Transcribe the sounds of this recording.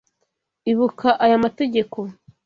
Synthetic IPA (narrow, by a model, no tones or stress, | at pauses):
iβukʰaʔajamate̞ɟe̞ko̞